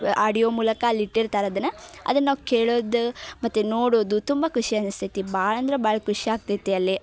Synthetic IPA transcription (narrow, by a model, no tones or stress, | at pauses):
aːɖijoːmuːlɐkɐlːiʈːiɾt̪aːɾɐd̪ɐnɐɐ̰d̪ɐnːaːʋukeːɭoːd̪umɐt̪ːunoːɽoːd̪ut̪umbɐkuʂiɐnst̪ʰit̪ibaːɭɐnd̪ɐɾebaːɭɐkuʂiaːɡ̚t̪ɐjt̪ːiɐlːi